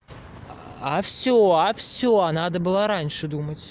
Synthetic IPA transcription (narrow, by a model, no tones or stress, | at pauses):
afsʲoafsʲoanad̪əbɨlˠaɾanʲʂɨd̪umətʲ